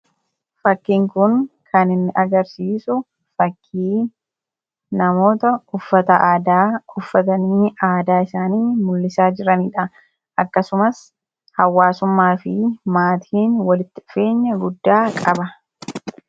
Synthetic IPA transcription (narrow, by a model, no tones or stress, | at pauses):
fɐkːiːŋkʊŋkʰɐnɪnːɪʔɐɡɐɾsiːsʊ | fɐkʰːiː | nɐmo̞ːt̪ɐʊfːɐt̪ɐd̪aːʊfːɐt̪ɐniːaːd̪aːɪsaːniːmʊlːɪsaːd͡ʒɪɾɐniːᶑɐ | ʔɐkːɐsʊmɐs | hɐwːaːsʊmːaːfɪmaːt̪ʰiːnwɐlɪt̪ːɪʊ̥feːɲːɐɡʊd̪ːaːkʼɐbɐ